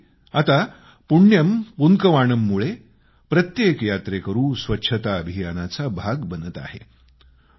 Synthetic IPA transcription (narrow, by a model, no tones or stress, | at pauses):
at̪a | puɳjəmpuŋkəʋaɳəmːuɭe | pɾət̪jekjat̪ɾekəɾũːsʋətːɕʰət̪aəbʱijanat͡sabʱaɡbənət̪a̰ɦḛ